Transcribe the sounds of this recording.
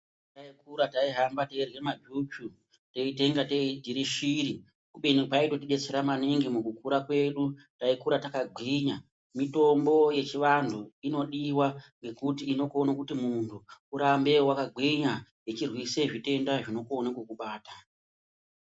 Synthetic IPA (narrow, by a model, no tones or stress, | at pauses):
taikuɾataiɦambateirwe̞mabut͡ʃu | teite̞ŋɡateidʱiɾiʃiɾi | kuɓenpaitotiɗe̞t͡se̞ɾamaneŋɡemukukuɾakwe̞ɗu | taikuɾatakaɡʱwiɲa | mito̞mbo̞je̞t͡ʃiʋantʰuino̞ɗiwaŋɡe̞kutiːno̞konakutimuntʰuuɾambe̞wakaɡʱwiɲajet͡ʃirwiseʐite̞ndaʐino̞konakukuɓaːta